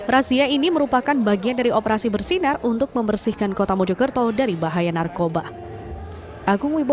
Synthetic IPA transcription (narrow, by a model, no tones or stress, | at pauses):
rasiainiməɾupakanbaɡiandaɾiʔopəɾasibərsinarunt̪ʊk̚məmərsɪhkankot̪amod͡ʒɔkərt̪ɔdaɾibaɦajanarkoba | ʔaɡʊŋwib